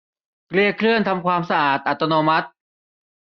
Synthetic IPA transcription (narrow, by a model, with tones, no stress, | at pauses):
kli˧əkʰɾɯ˥˩ənt̪ʰa˧mkʰwaː˧msa˧ʔaː˨˩t̪̚ʔa˨˩t̪ːa˧noː˧ma˦˥t̪̚